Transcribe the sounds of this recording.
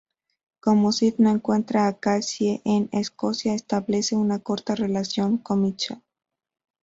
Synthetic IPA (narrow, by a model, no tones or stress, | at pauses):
ko̞mosid̪naeŋkwe̞nt̪ɾaːkasjeʔenesko̞sjaest̪aβle̞se̞unako̞ɾt̪are̞lasjo̞ŋkomit͡ʃa